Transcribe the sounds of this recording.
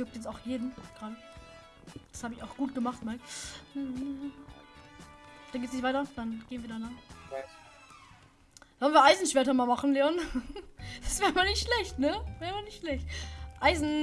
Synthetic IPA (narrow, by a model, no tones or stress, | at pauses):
jʊk̚tjɛt͡staʊxjeːdm̩ɡ̥ʁaːɾə | d̥ashaːbəɪçaʊxɡ̥uːt̚ɡ̥əmaχtmaːlm̩h | d̥anɡeːtsnɪçtv̥aɪtɐd̥anɡ̥eːnviːɐdaɪnan | z̥ɔlnviɐʔaɪzn̩ʃv̥ɛɐtɐmaːlmaχn̩leɔn | d̥asvɛːʁmanɪçtʃlɛçtnəvɛːmanɪçtʃlɛçt̚ʔaɪzn̩